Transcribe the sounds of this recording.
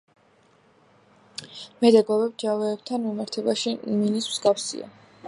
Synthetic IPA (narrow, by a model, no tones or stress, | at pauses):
mɛd̪ɛɡɔvɛbd͡ʒavɛːb̚t̪ʰanmimaɾt̪ʰɛbaʃiʔiminismzɡafsḭa̰